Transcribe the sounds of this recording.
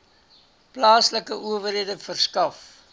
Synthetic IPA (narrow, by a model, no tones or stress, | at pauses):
plɑːsləkəʔuəvəɾidəfərskɐf